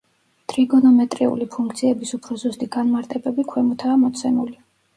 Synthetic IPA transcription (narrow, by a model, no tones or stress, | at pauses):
t̪ʼɾiɡɔnɔmɛt̪ʼɾiṵlipʰũŋkʰt̪sʰiɛbisupʰɾɔzust̪ʼiɡanmaɾt̪ʼɛbɛbikʰwɛmɔt̪ʰaːmɔt̪sʰɛmuli